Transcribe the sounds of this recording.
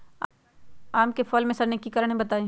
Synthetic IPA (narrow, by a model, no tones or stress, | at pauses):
a | aːmkefʰɔːlmẽsɐɾnekikɐɾəɽ̃ɦẽbɐt̪aːẽː